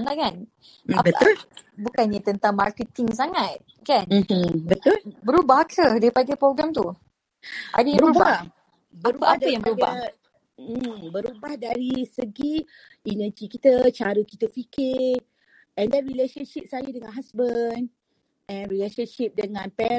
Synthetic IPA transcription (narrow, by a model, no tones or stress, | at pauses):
ŋlakan | abəʊlbukanɲat̪ənt̪aŋmarkət̪iŋs̬aŋat̪̚ | kan̩bət̪ʊlbəɾubahkʰədaipaɡajpɾoɡɾamt̪u | ʔa̰dajãmɾuəɾubba | bɾuapajãŋbəɾuba | bəɾubahdaɾisəɡi | inəd͡ʒikit̪ət͡ʃaɾukit̪əfikɪ | ɛ̃ndɛ̃nɹileʃənʃip̚sajədəŋãnɦasbən | ɛ̃nɾileʃənʃip̚dəŋãnpɛ